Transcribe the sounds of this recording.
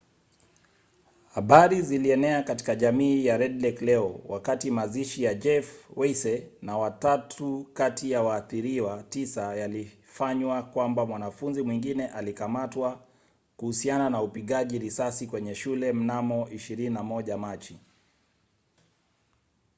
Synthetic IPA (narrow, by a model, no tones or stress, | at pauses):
haɓaɾiziliɛnɛakati̥kaʄamiːjaɾɛdlɛklɛɔwʔakatimaziʃijad͡ʒɛfwɛisɛnawatatʰukatʰijawaːθiɾiwatisajali | faɲwakwambamwanafunzimwiŋɡinɛʔalikamatwa | kuhusiananaupiɠaʄiɾisasikwɛɲɛʃulɛm̩namɔʔiʃiɾininamɔʄamat͡ʃi